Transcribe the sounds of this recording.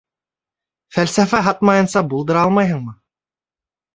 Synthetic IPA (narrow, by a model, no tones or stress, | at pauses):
fælsæfæɦɑt̪mɑjɤ̆nsɑbulˠd̪ɤ̆ɾɑlˠmɑjɦɤɴmɤ